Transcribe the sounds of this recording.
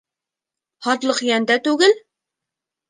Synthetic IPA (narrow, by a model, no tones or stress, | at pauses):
hɑt̪lˠəqjɛnd̪ɛt̪øɡʲɪl